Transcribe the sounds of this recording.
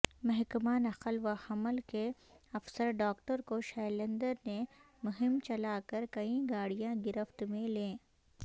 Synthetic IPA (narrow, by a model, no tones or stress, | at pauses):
mɛɦkmaːnɐqəlʋahɐməlke | ɐfsəɾɖaːkʈəɾkoʃɛːlə̃nd̪əɾne | mʊɦɪmt͡ʃɐlaːkɐɾkɐĩɡaːɽijãɡɪɾəft̪mẽlẽː